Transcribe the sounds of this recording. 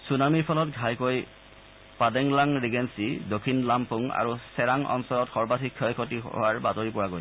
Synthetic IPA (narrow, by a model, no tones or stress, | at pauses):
sunamiɹpʰɔlɔtɡʱajkoj | padɛŋlaŋɹiɡensidokʰːinlampʰuŋa̰ɹusɛɹaŋɔ̰nsɔlɔtxɔɹbatʰikʰːɔjkʰotiɦo̰waɹbatoɹipʊɹaɡojs